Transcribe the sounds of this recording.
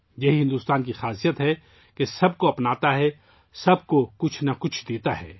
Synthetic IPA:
jɐɦiɦɪ̃nd̪uːst̪aːnkixaːsijət̪ɦɛ | kesɐb̚koɐpnaːt̪aɦɛ | sɐb̚kokʊt͡ʃʰnɐkʊt͡ʃʰd̪eːt̪aɦɛ̰ː

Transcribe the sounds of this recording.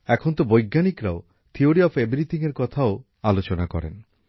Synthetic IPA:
ɛkʰont̪obojɡːanikɾao | t̪ʰioɾiɔpʰebɾit̪ʰiŋeɾkɔt̪ʰao | alot͡ɕonakɔ̰ɾḛn

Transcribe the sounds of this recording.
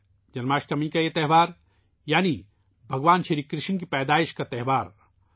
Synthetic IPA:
d͡ʒɐnmaːʃʈɐmĩkaet̪ɛɦʋaːɾ | jaːni | bʱɐɡʋaːnʃʰeɾikɾɪʃnkipɛːd̪aːɪʃkat̪ɛɦʋaːɾ

